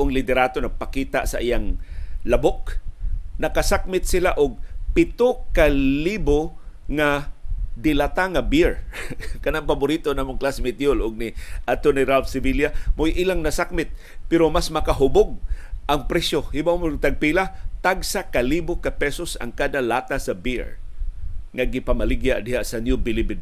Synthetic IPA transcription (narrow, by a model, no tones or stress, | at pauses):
ʔoŋlɪt̪ɛɾaːt̪onɐɡ̚pakiːt̪aʔsɐʔɪjaŋlabok̚ | nɐkasak̚mɪt̪̚sɪlaʔʊɡ̚pɪt̪okaliboŋad̪ɪlat̪aŋabiɹkɐnaŋpabʊɾiːt̪onamʊŋklasmɪt̪jolʊɡ̚nɪʔat̪oniɾalfsɪviljamojʔilaŋnasak̚mɪt̪̚ | pɛɾomasmɐkaɦʊboɡ̚ʔaŋpɾɛsjohɪbawmont̪aɡ̚pilat̪aɡsakalibokapɛsosa̰ŋkad̪alaːt̪asɐbiɹ | ŋaɡɪpamalɪɡjaʔd̪ɪɦaʔsɐnjubɪlibɪd̪